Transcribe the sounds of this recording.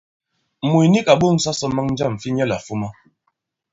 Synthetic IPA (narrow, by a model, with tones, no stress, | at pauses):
mu˨jni˦ka˨ɓo˦˨ŋ̩˦sa˦sɔ˦ma˦ŋn̩˦d͡ʒa˦˨m˨fi˦ɲɛ˦˨la˨fu˦ma˦